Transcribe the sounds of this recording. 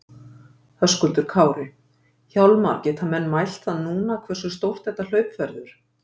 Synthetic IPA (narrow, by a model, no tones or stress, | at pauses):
hœskʏlt̪ʏɾ̥kʰaːwɾɪ | çawlma̰ɾcɛt̪hanmɛnːmajl̥t̪θaðnuːnakʰvɛr̥sʏst̪owr̥t̪θɛht̪ːal̥œːɥpfɛɾðʏɾ̥